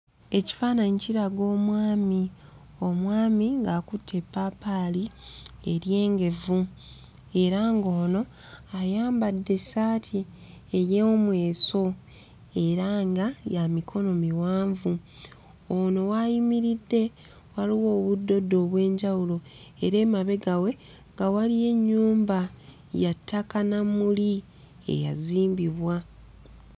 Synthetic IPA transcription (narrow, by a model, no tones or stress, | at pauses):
e̞ci̥faːnaɲiciɾaɡo̞ːmwaːmi | o̞mwaːmiŋɡaːkutʰːe̞pːapalie̞ɾje̞ːŋɡe̞vu | e̞ɾaŋɡo̞ːno̞ | ajaːmbadːe̞saːtʰi | ejemwe̞ːso̞ | e̞ɾaŋɡajamikʰo̞no̞miwaːɱvu | ono̞wajimiɾidːe̞ | waliwo̞ːβudːo̞dːo̞ːβwe̞ːɲɟawulo̞ | e̞ɾe̞ːmaβe̞ɡawe̞ | ŋɡawalije̞ɲːuːmba | jatʰːakanamuli | ḛja̰ziːmbiβwa